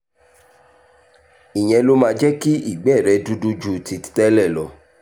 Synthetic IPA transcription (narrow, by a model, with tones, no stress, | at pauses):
i˨j̃ɛ̃˧lo˦mãː˧d͡ʒɛ˦ki˦i˦˨ɡ͡bɛ˦˨ɾɛ˧du˦du˦d͡ʒu˧ti˧ti̥˦tɛ˦lɛ˦˨lɔ˨˦